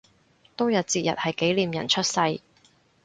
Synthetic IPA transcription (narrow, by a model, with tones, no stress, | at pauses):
t̪o˥wjɐ˨t̚t͡siː˧t̚jɐ˨t̚hɐ˨jke˨˥jliː˨mjɐ̰˨˩nt͡ʃʰɵ˥t̚sɐ˧j